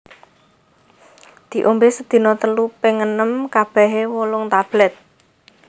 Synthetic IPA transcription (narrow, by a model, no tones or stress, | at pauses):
d̪̥i̤ʔombesəd̪̥i̤nɔt̪əlupeŋənəmkab̥ɛ̤ɦewolʊŋt̪ab̥lɛt̪̚